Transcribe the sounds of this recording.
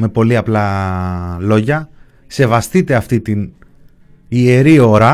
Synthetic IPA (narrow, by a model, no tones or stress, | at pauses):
me̞po̞liɐplɐ | lo̞ʝɐ | se̞vɐst̪it̪e̞ɐft̪it̪in | ieɾio̞ɾɐ